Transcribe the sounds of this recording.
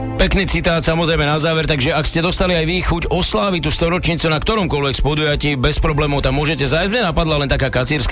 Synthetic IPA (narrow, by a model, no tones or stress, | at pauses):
pɛkniːt͡sit̪aːt̪samɔzɾɛjmɛnazaːʋɛɾt̪aɡʒɛakscɛd̪ɔst̪aliajʋixuɟɔslaːʋit̪̬ust̪ɔɾɔt͡ʃɲiːt͡sunakt̪ɔɾɔmkʊɔlʋɛkspɔd̪ujaciːbɛspɾɔblɛːmɔʊt̪amːʊɔʒɛcɛzajzɲɛnapad̪lalɛnt̪akaːkat͡siːɾsk